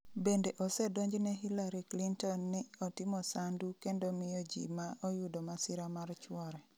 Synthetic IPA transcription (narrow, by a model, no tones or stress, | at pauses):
bendeʔɔsɛdoɲd͡ʒnɛɦilaɾiklintɔnːɪɔtɪmɔsandukendomɪjɔd͡ʒḭmaʔɔjudɔmasɪɾamart͡ʃwɔɾɛ